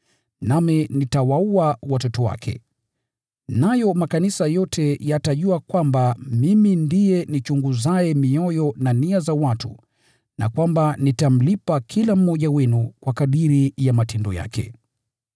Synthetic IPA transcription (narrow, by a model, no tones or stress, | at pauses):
naminitawauawatɔtɔwa̰kʰɛ̰ | najɔmakanisajɔtʰɛjataʄuakwambamimindijɛnit͡ʃuŋɡuzaɛmiɔjɔnaniazawatṵ | na̰kwambanitam̩lipakʰilam̩mɔʄawɛnukwakaɗiɾijamatɛndɔja̰kʰɛ̰